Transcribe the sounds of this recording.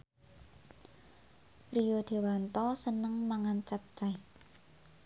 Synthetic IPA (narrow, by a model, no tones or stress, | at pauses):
rijod̪̥e̤want̪ɔsənəŋmaŋant͡ʃap̚t͡ʃaj